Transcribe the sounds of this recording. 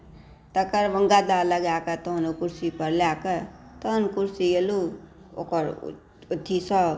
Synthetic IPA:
t̪ɐkəɾʋəŋɡad̪aːləɡaːkət̪ɔnukuɾsipəɾljakət̪ɐnkuɾsijelu | o̰kəɾ̰ | ʊt̪ʰːisə

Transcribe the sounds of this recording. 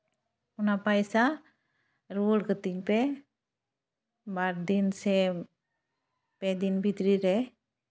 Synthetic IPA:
unapajsa | ɾuulkət̪iŋpɛ | baɾdinsɛ | pɛdinbit̪ɾiɾɛ

